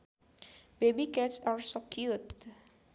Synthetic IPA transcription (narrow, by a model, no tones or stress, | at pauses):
b̥ebikɛtsaɹsɔkjut